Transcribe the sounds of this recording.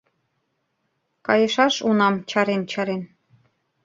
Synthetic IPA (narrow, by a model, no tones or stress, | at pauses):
kɑjɤ̆ʃɑʃunɑmt͡ɕɑɾent͡ɕɑɾen